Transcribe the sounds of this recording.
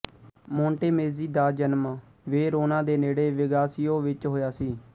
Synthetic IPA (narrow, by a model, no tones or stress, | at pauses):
mõːɳʈeːmeːziːd̪aːd͡ʒənm | ʋeːɾoːnãːd̪eːneːɽeːʋɪɡaːsɪjõːʋɪt͡ʃɦoːjaːsiː